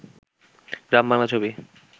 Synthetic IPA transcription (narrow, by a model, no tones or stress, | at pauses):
ɾambaŋlat͡ɕʰobi